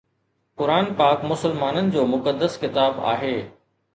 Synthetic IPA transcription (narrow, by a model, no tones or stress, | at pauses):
kʊɾaːnpaːkmʊsəlmaːnənɪ̆d͡ʑoːmʊkəd̪əskɪt̪aːba̰ːɦeː